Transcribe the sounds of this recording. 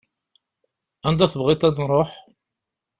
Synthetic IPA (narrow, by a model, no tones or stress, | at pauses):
ænd̪æθəbʁit̪ˤæd̪ɾˤoħ